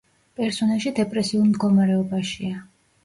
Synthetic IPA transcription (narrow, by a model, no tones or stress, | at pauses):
pʼɛɾsɔnɛlˠʃid̪ɛpʼɾɛsiulˠmd̪ɡɔmaɾɛɔbaʃia